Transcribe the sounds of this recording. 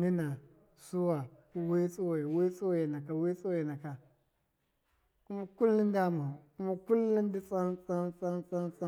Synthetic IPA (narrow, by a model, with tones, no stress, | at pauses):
ni˦na˨ | su˦wa˨ku˦we˦t͡sʼu˦wa˨i˨we˦t͡sʼo˦we˨na˨ka˨we˦t͡so˦we˨na˨ka˨ | ku˦ma˦ku˦lːu˦n˦da˦ma˨ku˦ma˦ku˦lːu˦n˦di˦t͡sʼa˦nt͡sa˦nt͡sʼa˦nt͡sʼa˦nt͡sa˦